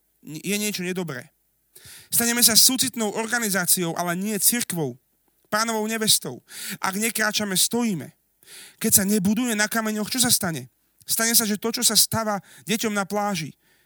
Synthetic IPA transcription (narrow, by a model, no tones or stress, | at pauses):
jɛɲɪɛt͡ʃɔɲɛd̪ɔbɾɛ̰ː | st̪aɲɛmɛs̬asuːt͡sit̪nɔʊʔɔɾɡanizaːt͡siɔʊʔalɛɲɪɛt͡siɾkʋɔʊ | paːnɔʋɔʊɲɛʋɛst̪ɔʊʔa̰ɡɲɛkɾaːt͡ʃamɛst̪ɔjiːmɛ̰ | kɛcsaɲɛbud̪ujɛnakamɛɲɔxt͡ʃɔs̬ast̪aɲɛ | st̪aɲɛs̬aʒɛt̪ɔt͡ʃɔsast̪aʋaɟɛcɔmnaplaːʒḭ